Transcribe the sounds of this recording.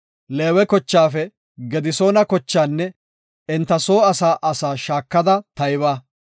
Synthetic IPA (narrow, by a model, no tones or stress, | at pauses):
leːwɛkɔt͡ʃːaːfɛ | ɡɛd̪ɪso̞ːnɐkɔt͡ʃːaːnːɛ | ɪnt̪ːɐso̞ːɐsaːʔɐsaːʃaːkːɐd̪ɐt̪ɐjbaː